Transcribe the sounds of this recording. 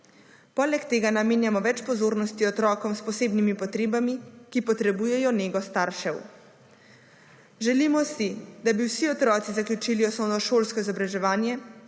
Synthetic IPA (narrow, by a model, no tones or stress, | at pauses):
pɔːlɛkt̪eːɡanameːnjamɔʋɛt͡ʃpɔzoːɾnɔst̪iɔt̪ɾɔːkɔmspɔseːbnimipɔt̪ɾeːbamikipɔt̪ɾɛbujɛjɔneːɡɔst̪aːɾʃɛw | ʒɛlimɔsid̪abiwsiɔt̪ɾɔːt̪sizaklʲjut͡ʃiliɔsɔnɔʃoːlskɔizɔbɾaʒɛʋaːnjɛ